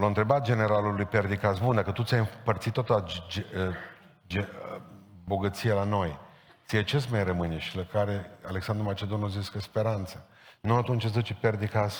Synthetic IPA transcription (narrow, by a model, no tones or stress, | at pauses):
lont̪ɾe̞bat̪̚d͡ʒe̞ne̞ɾalulujperd̪ikasbund̪akət̪ut̪sʲajɨpərt̪sit̪ːat̪əd͡ʒ | d͡ʒe | bo̞ɡət̪sijelano̞j | t̪sijet͡ʃesmajrəmɨneʃilakaɾe̞aleksand̪ɾumat͡ʃe̞d̪o̞noziskəspe̞ɾant̪sə | nuat̪unt͡ʃatszət͡ʃeperd̪ikas